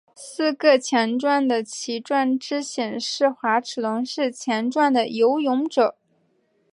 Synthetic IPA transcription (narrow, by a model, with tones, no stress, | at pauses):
sɹ̩˥˧kɤ˥˩t͡ɕʰjɛ˧˥nʈ͡ʂwa˥˩nd̪ə˩t͡ɕʰi˧˥ʈ͡ʂwa˥˩nʈ͡ʂɻ̩˥ɕjɛ˨˩nʂɻ̩˥˩xwa˧˥ʈ͡ʂʰɻ̩˨˩lʊ˧˥ŋʂɻ̩˥˩t͡ɕʰjɛ˧˥nʈ͡ʂwa˥˩nd̪ə˩jo˧˥ʊjʊ˧˥ŋʈ͡ʂɤ˨˩˦